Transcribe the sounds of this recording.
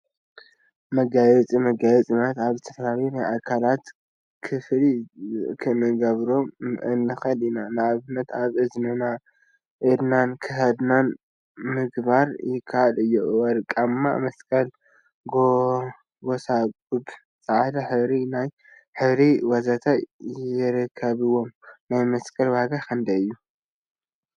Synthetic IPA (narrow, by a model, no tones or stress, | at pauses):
mɐɡajɛt͡sʼimɐɡajɛt͡sʼimɐt̪aβzɨt̪ʰɐ̥fɐlaljunajakʰalat̪ | kʰɨflikʰɨnɨɡɐβɾomɨ̰nːɨxɐlinanɨaβɨnːɐt̪aβɨznɨna | ʔɨd̪nankʰɨhɐd̪nan | mɨɡbaɾjɪkʰːaʔalɨjːuwɐɾkʼamːa̰mɐskʼɐl | ɡo | ɡosakʼub | t͡sʼaʕd̪aħɨβɾinaj | ħɨβɾiwɐzat̪ʰajɾɐkʰːɐβɨwo̞mnajmɐskʼɐlwaɡakʰɨnd̪ɐɨjːu